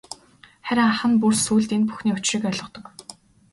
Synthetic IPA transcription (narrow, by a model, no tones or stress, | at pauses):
χæɾʲɪ̆ŋaχə̆npursuːɮt̪enpu̥xniːʊt͡ɕriːkœɮʁɞ̆t̪ɞ̆k